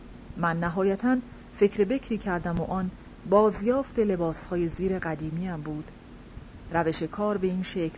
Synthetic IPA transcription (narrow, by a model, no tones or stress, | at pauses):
mænːæɦɒːjæt̪ʰæn | fe̞cʰɾebe̞cʰɾiːcʰæɾd̪æmoʔɒn | bɒːzjɒːft̪e̞le̞bɒːshɒːje̞ziːɾe̞ɢæd̪iːmiːæmbuːd̪̥ | ɾæve̞ʃe̞kʰɒːɾbe̞iːnʃecʰl